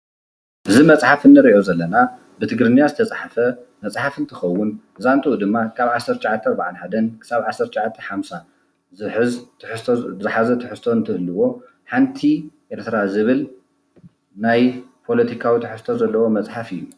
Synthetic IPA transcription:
ʔɨzimɐt͡sʼħafɨnːɨɾiʔo̞zɐlːɐna | bɨt̪ʰɨɡɾɨnijazɨt̪ʰɐt͡sʼħafɐmɐt͡sʼħafɨnt̪ʰɨxɐwːʊnɨzant̪ʼɨud̪ɨmːakʰaβʕasːɐɾt̪ʃʕat̪ʰːɐɐɾbaʕanħad̪ɐnkʰɨ̥saβʕasːɐɾt̪ːʃʕat̪ʰːɐħamsa | ħɨz | zɨħazɐt̪ʰɨħɨst̪ʰo̞nt̪ʰɨhɨlːɨwo̞ | ħant̪ʰiʔeɾt̪ʰɾazɨβɨl | najpʰo̞lɐt̪ʰikʰawit̪ʰɨħɨst̪ʰo̞zɐlːɐwo̞mɐt͡sʼħafɨjːu

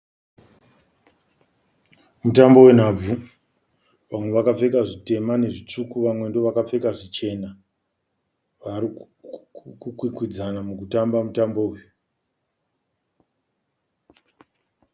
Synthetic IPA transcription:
mutambo̞we̞n̤ab͡vu | ʋamwe̞ʋakap͡fe̞kaʐite̞mane̞ʐit͡ʂukuʋamwendo̞ʋakap͡fe̞kaʐit͡ʃe̞na | ʋaɾi | kukwikwid͡zanamukutambamutambouju

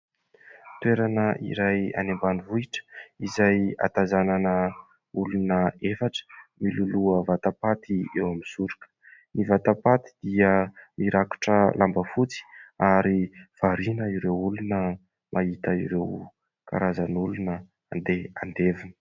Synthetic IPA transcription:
t̪weɾanəʔḭɾaja̰nembanivuiʈ͡ʂə̥izaja̰t̪azananə | ulunəefaʈ͡ʂə̥miluluəvat̪apat̪iewamizuɾukə̥ | nivat̪apat̪i̥d̪̥iəmiɾaku̥ʈ͡ʂəlʔambəfut͡si̥aɾiv̥aɾinəiɾewulunə | mʔait̪əiɾew | ka̰ɾazanulunə | and̪eand̪evinə̥

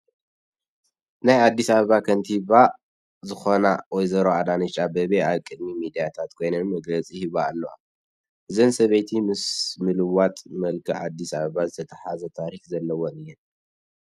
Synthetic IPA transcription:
najad̪ːisaβɐβakʰɐnt̪ʰiβa | zɨxonawɔjzɐɾoad̪anɨt͡ʃʼabɐβeaβkʼɨd̪mimid̪ijat̪ʰat̪kʰo̞jnɐnmɐɡlɐt͡sʼihiβaːlːɐa̰ | ʔɨzɐnsɐβɐjt̪ʰimɨsmɨlɨwat̪ʼmɐlkʰiʔa̰d̪ːisaβɐβazɨt̪ʰɐt̪ʰɐħazɐt̪ʰaɾixzɐlːɐwonɨjːɛn

